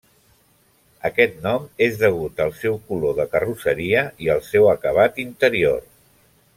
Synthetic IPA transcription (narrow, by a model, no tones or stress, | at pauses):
əkɛt̪̚nɔmezðəɣ̞ut̪əlˠsɛwkuloðəkərusəɾiəiəlˠsɛwəkəβ̞at̪int̪əɾior